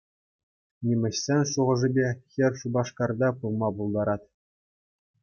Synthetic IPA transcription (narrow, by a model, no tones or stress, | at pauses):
nʲimʲɘ̆ɕsʲenʲʂuʁɤ̆ʐɘ̆bʲexʲɘ̆rʲʂubɑʂkɑrd̪ɑpulˠmɑpulˠd̪ɑɾɑt̪ʲ